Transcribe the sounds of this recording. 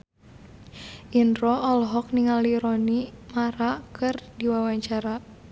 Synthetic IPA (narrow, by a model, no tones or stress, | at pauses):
ʔindrɔʔɔlɦɔk̚niŋaliɾɔnimaɾakɨrdiwawaɲt͡ʃaɾa